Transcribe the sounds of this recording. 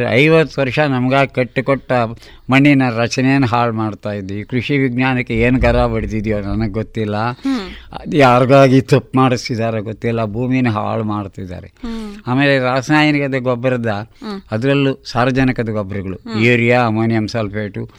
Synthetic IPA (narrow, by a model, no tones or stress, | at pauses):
ɐ̰jʋɐt̪ːʋɐɾʂɐnɐmɐɡaːɡikɐʈːukɔʈːɐ | mɐɳːinɐɾɐt͡ʃɐnɛjɐnːɐɦaːɭmaːɖt̪aːjid̪ːekɾuʂiʋiɡnaːnɐkːeeːnuɡɐɾaːʋɐɽid̪id̪ijoːnɐnɐɡeɡot̪ːilːɐ | jaːɾɐɡaːɡit̪ɐpːmaːɽisid̪aːɾeɡot̪ːilːɐbʱuːmijnɐɦa̰ːɭmaːɽt̪id̪a̰ːɾeaːme̞ːleɾaːsnaːjɐnikɐd̪ɐɡɔbːɐɾɐd̪ɐːd̪ɐɾɐlːusaːɾʋɐd͡ʒɐnikɐd̪ɐɡɔbɾɐɡɐɭuuːɾijaɐmoːnijɐmsɐːlpʰeːʈu